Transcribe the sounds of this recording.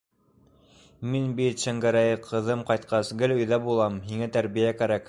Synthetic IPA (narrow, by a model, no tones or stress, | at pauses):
minbit̪ʃæŋɡæɾæjɘqʰɤ̆ðɤmqɑjt̪̚qʰɑsɡɘlɵ̆jðæbulˠɑmhiŋæt̪æɾβijækæɾæk